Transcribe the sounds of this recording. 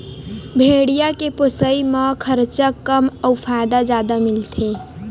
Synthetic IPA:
bʱeɽijakeposəiməkʰəɾt͡ʃəkːəməwpʰajd̪ad͡ʒad̪amilt̪ʰe

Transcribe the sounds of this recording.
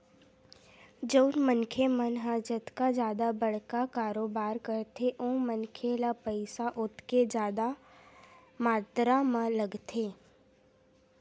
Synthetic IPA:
d͡ʒoːnmənkʰemənɦaːd͡ʒət̪kad͡ʒjaːd̪abəɽ̤kakaːɾoːbaːɾkəɾt̪ʰeʔõːmənkʰelapəɪsaʔʊt̪ked͡ʒjaːd̪a | maːt̪ɾamãlɐɡt̪ʰeː

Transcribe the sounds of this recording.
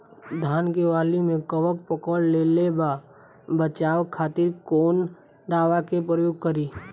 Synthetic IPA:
d̪ʱaːnkeʋaːlimẽkəʋək̚pəkəlleːleba | bət͡ʃaːwkʰaːt̪ɪɾkoːn | d̪aːʋakepɾəjoːɡ̚kəɾiː

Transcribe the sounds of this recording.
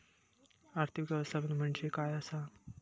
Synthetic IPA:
aɾt̪ʰikʋjəʋəst̪ʰabənm̤əɳd͡ʑekajəsa

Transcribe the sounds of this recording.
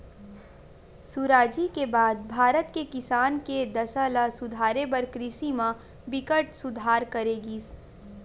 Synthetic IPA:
suɾaːd͡ʒikebaːd̪̚bʱaːɾət̪kekɪsaːnked̪ɐsalasʊd̪ʱaːɾebəɾkɾɪsimã | bɪkəʈsʊd̪ʱaːɾkɐɾeːɡiː

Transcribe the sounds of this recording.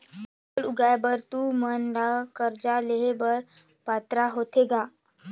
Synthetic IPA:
əluɡajbəɾt̪umənd̪akəɾd͡ʑaleɦebəɾ | pat̪ɾaɦot̪ʰeɡa

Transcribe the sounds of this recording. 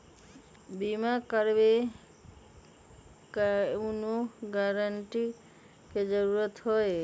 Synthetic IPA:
bimakaɾbe | kaunoɡaɾaɳʈi | ked͡ʒɔɾuɾɔt̪ɦɔe

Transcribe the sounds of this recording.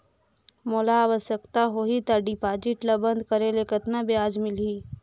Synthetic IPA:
moːlaːʋəsjəkt̪aɦoɦit̪aɖipaːd͡ʒɪʈləbə̃nd̪kəɾelekət̪nabejaːd͡ʒmɪliː

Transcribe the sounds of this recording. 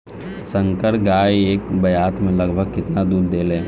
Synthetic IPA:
sə̃ŋkəɽɡaːieːkbɐjaːt̪ʰmẽləɡbʱəɡ̚kɪt̪nad̪uːɾd̪eːlẽː

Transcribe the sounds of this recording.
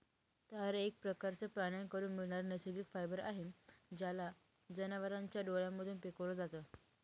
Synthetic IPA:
t̪aəɾek̚pɾəkaɾt͡səpɾaɽ̃jaɳkəɾuːnmiɭɳaɾnəsiɡikfajbəɾa̰ɦimd͡ʑjala | d͡zənaʋəɾãɲt͡ɕjaɖoɭjãmːəd̪ʱuːnpekəʋlɔd͡zat̪ə

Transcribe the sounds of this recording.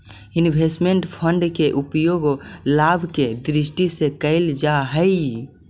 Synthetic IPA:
inbʱesʈmeɳʈpʰəɳɖkeʔupjoɡlabʱked̪ɾisʈisekəɪld͡ʒaɦəi

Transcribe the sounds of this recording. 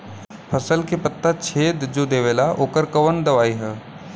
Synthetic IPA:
pʰɐsəlkepɐt̪ːat͡ʃʰeːd̪d͡ʒod̪eːʋeːlaʔoːkəɾkɐʋənd̪ɐʋaːiɦɛː

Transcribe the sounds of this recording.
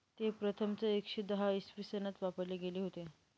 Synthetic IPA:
t̪epɾət̪ʰəmt͡səekʂeːd̪əɦaisfɾisənat̪ʋapəɾleɡeleɦot̪e

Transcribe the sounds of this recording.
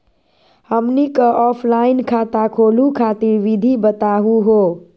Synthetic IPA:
həmnikəʔɔpʰlainkʰat̪akʰolukʰat̪iɾʋid̪ʱibət̪aɦuɦo

